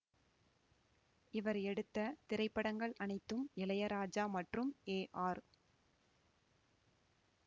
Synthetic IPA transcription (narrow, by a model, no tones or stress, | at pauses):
ɪʋɐɾɛɽɯt̪ːɐt̪ɪɾɐɪpːɐɽɐŋɡɐɭɐnɐɪt̪ːɯmɪlɐjɐɾaːd͡ʒaːmɐʈrɯmeːʔaːɾ